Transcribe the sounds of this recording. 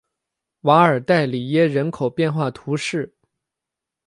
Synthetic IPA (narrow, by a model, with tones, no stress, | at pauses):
wa˧˥ə˞˨˩t̪a˥˩ɪli˨˩jɛ˥ɻə˧˥nkʰo˨˩ʊpjɛ˥˧nxwa˥˩t̪ʰu˧˥ʂɻ̩˥˩